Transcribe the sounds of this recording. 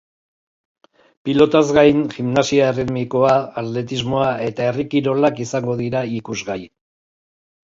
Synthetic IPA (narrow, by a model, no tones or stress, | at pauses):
pilo̞t̪azɡajnʝimnasiaerimiko̞aːt̪le̞t̪̬izmo̞ae̞t̪ae̞rikiɾo̞lakisaŋɡo̞ðiɾaikuzɣaj